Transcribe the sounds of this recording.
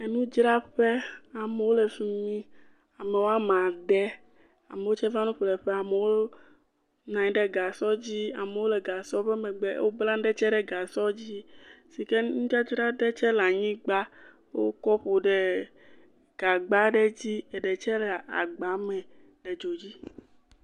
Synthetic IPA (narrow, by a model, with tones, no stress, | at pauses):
e˦nũ˦d͡ʒɾa˦ɸe˦a˨me˨wo˦le˨fi˦mĩ˦ | a˨me˨wo˦a˦mã˨ɖɛ˦ | a̰˨me˨wo˦t͡ʃɛ˦va˦nũ˦ɸlɛ˨ɸɛ˦a˨me˨wo˦ | nã˨ɲĩ˦ɖe˦ɡa˨sɔ˦d͡ʑi˦a̰˨me˨wo˦lɛ˨ɡa˨sɔ˦ɸɛ˦mɛ̃˨ɡ͡bɛ˦wo˦blã˦ɖɛ˦t͡ʃɛ˦ɖɛ˦ɡa˨sɔ˦d͡ʑi˦si˨ke˦nũ˦ti˦a˦t͡ʃo˦ɖa˦dɛ˦t͡ʃɛ˦la˨ɲĩ˦ɡ͡ba˦ | wo̰˦kɔ˦ɸo˨ɖe˦ | ɡ̥a˨ɡ͡ba˦ɖɛ˦d͡ʑi˦e˨ɖe˨t͡ʃɛ˦lɛ˨a̰˨ɡ͡ba˨mɛ̃˨ | ɖe˨d͡ʒo˨d͡ʑi˦